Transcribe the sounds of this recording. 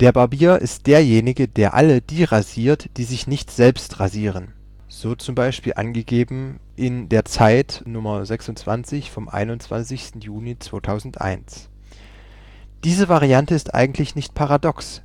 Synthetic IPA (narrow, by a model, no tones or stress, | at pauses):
d̥eːɐbaɐbiːɐʔɪ̰st̚d̥eːɐjeːnɪɡəd̥eːɐʔa̰ləd̥iːʁaziːɐtd̥iːzɪçnɪçtz̥ɛlpstʁaziːʁ̞ən | z̥oːt͡sʊmbaɪʃpiːlʔa̰nɡəɡeːbm̩ | ʔɪndeːɐt͡saɪtnʊmɐzɛksʊnt͡sv̥ant͡sɪçfɔmʔa̰ɪnʊnt͡sv̥a̰nt͡sɪçstn̩juːnit͡sv̥oːtʰaʊzn̩tʔa̰ɪns | d̥iːzəvaʁiantəɪstʔa̰ɪɡŋ̩tʰlɪçnɪçt̚pʰaʁadɔks